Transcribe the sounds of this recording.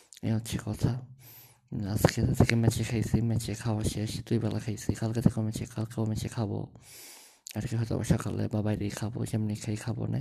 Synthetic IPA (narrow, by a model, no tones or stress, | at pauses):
ḛotːʃʰikɔt̪ʰa | askeset̪ʰekemɛt͡ɕʰekʰajsʰimɛt͡ʃʰekʰawaʃeʃt̪ujbɛla̰kʰajsʰikalket̪ʰekeomɛt͡ʃʰekʰalkeomɛt͡ʃʰekʰabo̰ | aɾkiɦɔt̪a̰bɔ̰ʃɔka̰lḛbabajɾejkʰabo̰ʃemnikʰajkʰabo̰na̰